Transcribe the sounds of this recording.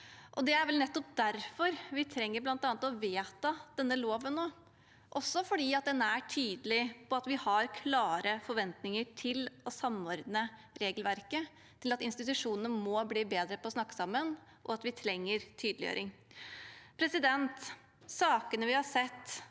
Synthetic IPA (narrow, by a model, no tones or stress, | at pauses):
ʔɔd̪ɛæɾʋɛlnɛt̪ːɔp̚d̪æɾfɔɾʋɪt̪ʰɾɛŋːəɾblɑnt̪ɑːnət̪ɔʋeːt̪ɑd̪̥ɛnːəloːʋənnoː | ʔɔsːɔfɔɖiːɑt̪̚d̪ɛnːæʈʰyːd̪əlɪpʰɔɑt̪ʋɪhɑɾkʰlɑːɾəfɔɾʋɛnt̪nɪŋəʈʰɪlɔsɑmːɔɾd̪nə | ɾeːɡəlʋæɾkə | t̪ʰɪlɑt̪ɪnst̪ɪt̪ʉʂuːnənəmɔbliːbeːd̪ɾəpɔɔsnɑkːə̥sɑmːən | ʔɔ̰ɑt̪ʋɪt̪ʰɾɛŋːəɾt̪ʰyːd̪əlɪjø̰ːɾɪŋ | pʰɾɛsɪd̪ɛnt̪ | sɑːkənəʋɪhɑsɛt̪ː